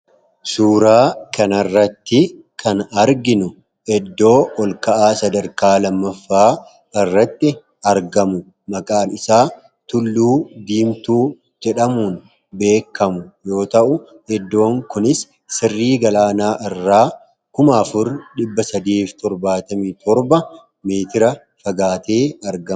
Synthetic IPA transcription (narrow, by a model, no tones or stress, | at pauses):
suːɾaːkɐnɐrːɐt̪ːɪ | kʰɐnɐɾɡɪnʊ | ɛd̪ːo̞ːɔlkɐʔaːsɐd̪ɐɾkaːlɐmːɐfːaː | ɪrːɐt̪ːɪ | ɐɾɡɐmʊ | mɐkʼaːmɪsaː | t̪ʊlːuːd̪iːmt̪uː | d͡ʒɛᶑɐmuːn | be̞ːkːɐmʊjo̞ːt̪ɐʔʊ | ɛd̪ːo̞ːŋkʊnɪsː | ɪrːiːɡɐlaːnaːʔɪrːaː | kʊmɐːfʊɾɗɪbːɐsɐd̪iːft̪ɔɾbaːt̪ɐmit̪ʰɔɾbɐ | meːt̪ɪɾɐ | fɐɡaːt̪eːɐɾɡɐ